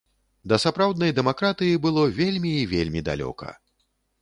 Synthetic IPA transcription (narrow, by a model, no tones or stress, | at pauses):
d̪ɐsapɾawd̪nɐjd̪ɛmakɾat̪ɨjibɨlˠɔvʲelʲmʲiːvʲelʲmʲid̪a̰lʲɔ̰kɐ̰